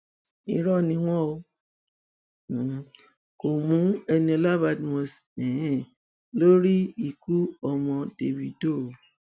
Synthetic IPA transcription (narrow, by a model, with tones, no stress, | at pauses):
ḭ˧˦ɾɔ˦˨nĩ˧w̃ɔ̃˦o˧˨ | ko˨mũ˨˦ɛ˧nĩ˧ɔ˧la˦ba˦˨dmɔ̃˨sɛ̃˨hɛ̃˦˨ | lo˦ɾi˦i˨ku˦ɔ˧mɔ̃˧de˨bi˧do˦˨˦